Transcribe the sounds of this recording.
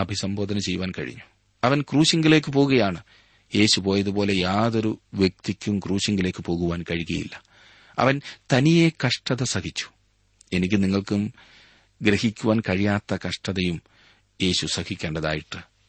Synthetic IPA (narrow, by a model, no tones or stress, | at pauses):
ɐbʱisɐmbo̞ːd̪ɐnɐt͡ɕe̞juʋaːnkɐ̰ɻḭɲːu̥ | ɐʋɐnkruːɕiŋɡɐle̞ːk̬ːɨpo̞ːɣuɣɐjaːɳɨ | je̞ːɕupo̞ːjɐðupo̞ːle̞jaːðo̞ɾuʋjek̚t̪ikʲːumkruːɕiŋɡile̞ːkːɨpo̞ːɣuʋaːnkɐɻiɣɐ̰jḭlːɐ | ɐ̰ʋɐnt̪ɐnije̞kɐʂʈɐðɐsɐkʰit͡ɕʲːu̥ | e̞nikʲːɨniŋːɐɭkum | ɡɾehikʲːuʋaːnkɐɻijaːt̪ːɐkɐʂʈɐðɐjum | je̞ːɕusɐkikʲːe̞ːɳɖɐða̰ːjiʈːɨ